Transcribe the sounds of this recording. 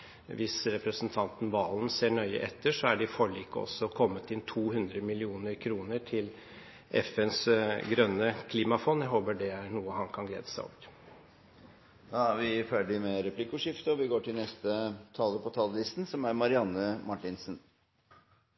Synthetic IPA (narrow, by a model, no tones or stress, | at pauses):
ʋɪsɾɛpɾəsənt̪ʰɑnt̪n̩ʋɑːln̩seːɳœʏə̰ʔɛt̪ʰːəʂɔæɖɪfɔɭiːkəɔ̰sːɔɔkʰɔmːət̪ɪnt̪ʰuːɦʉnd̪ɾəmɪlɪuːnəɾkʰɾuːnəʈʰɪl | ʔɛ̰fɛnsɡɾœnːəkʰliːmɑfɔnjæɪɦoːbəɖɛæɾɳuːəhɑnkʰɑnɡlḛːd̪əsæɪɔ̰ʋəɾ | d̪ɑʋɪføɖɪmɛɾɛpʰlɪkʊʂɪft̪əɔʋɪɡoːʈʰɪlnɛst̪ət̪ʰɑləpʰɔt̪ʰɑld̪ɪst̪n̩sɔmæɾmɑɾɪɑnːəmɑʈːɪnsən